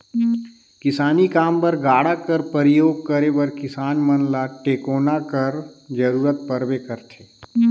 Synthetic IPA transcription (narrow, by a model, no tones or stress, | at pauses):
kɪsaːnikaːmpɐɾɡaːɽakɐɾpəɾɪjoːɡ̚kəɾebɐɾkɪsaːnmɐnlaʈeːkoːnakɐɾd͡ʒɐɾuːɾət̪̚pɐɾʋekɐɾt̪ʰeː